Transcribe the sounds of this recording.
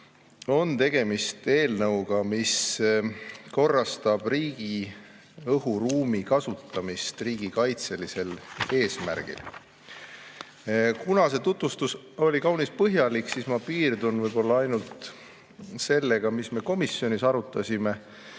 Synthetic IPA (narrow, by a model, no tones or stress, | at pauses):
o̞nt̪e̞ɡ̥e̞mist̪e̞ːlnɤwɡ̥ɑmis | ko̞rːɑst̪ɑb̥riːɡ̥i | ɤɦuruːmikɑsut̪ːˑɑmist̪riːɡ̥ikɑjt̪se̞lise̞le̞ːsmæ̰ɾɡ̥ḭl | kunɑse̞t̪ut̪vust̪us | o̞lʲikɑwnispɤɦjɑliksismɑpiːrd̪unvɤjbo̞lːɑɑjnult̪ | se̞lːe̞ɡ̥ɑmisme̞ko̞misjo̞nisɑɾut̪ːˑɑsime̞